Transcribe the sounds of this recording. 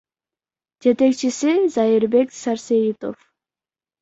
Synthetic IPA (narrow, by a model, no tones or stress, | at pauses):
d͡ʒe̞t̪e̞kt͡ʃisizajiɾbe̞ksaɾsejit̪o̞̰f